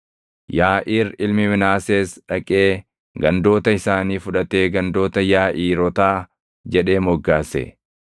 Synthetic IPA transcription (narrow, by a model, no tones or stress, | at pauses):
jaːʔiːɾɪlmɪmɪnaːseːsᶑɐkʼe̞ː | ɡɐnd̪o̞ːt̪ɐɪsaːniːfʊᶑɐt̪eːɡɐnd̪o̞ːt̪ɐjaːʔiːɾɔt̪aː | d͡ʒɛᶑe̞ːmɔɡːaːsɛ̰